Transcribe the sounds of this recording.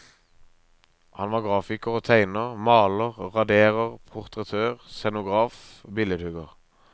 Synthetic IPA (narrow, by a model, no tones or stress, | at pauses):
hɑnʋɑːɡʁɑːfɪkəʁoːt̪ʰæɪnəʁmɑːləʁʁɑd̪eːʁəʁpʰʊʁt̪ʁət̪ʰøːʁsɛnʊɡʁɑːfobɪləd̪hʉɡəʁ